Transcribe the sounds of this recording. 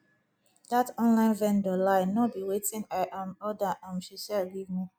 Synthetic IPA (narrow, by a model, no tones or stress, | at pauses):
d̥atɔ̃nlãɪ̃nvɛ̃ndɔlaɪnɔt̚biwetĩnaɪʔãmɔdaʔãmʃiʃalɡivmi